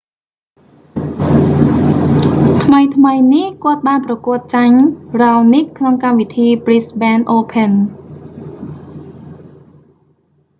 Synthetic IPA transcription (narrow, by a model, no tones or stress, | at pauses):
t̪ʰməjt̪ʰməjnihkŏət̪̚ɓaːnprɑkʊ̆ət̪̚t͡ɕaɲraɔnihkʰnoŋkamʋit̪ʰiːprisɓɛnʔoːpʰən